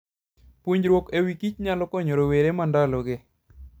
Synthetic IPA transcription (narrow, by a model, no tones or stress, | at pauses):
pwuɲd͡ʒɾwokewikit͡ʃɲalɔkɔɲoɾoweɾemandaloɡɪ